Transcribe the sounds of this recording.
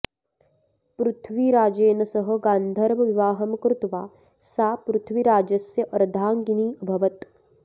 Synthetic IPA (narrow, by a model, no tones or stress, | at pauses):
pɾut̪ʰʋiːɾaːd͡ʒeːnɐsɐɦɐ̆ɡaːnd̪ʱɐɾʋɐʋiʋaːɦɐmkɾut̪ʋaː | saːpɾut̪ʰʋiɾaːd͡ʒɐsjɐʔɐɾd̪ʱaːŋɡiniːɐbʱɐʋɐt̪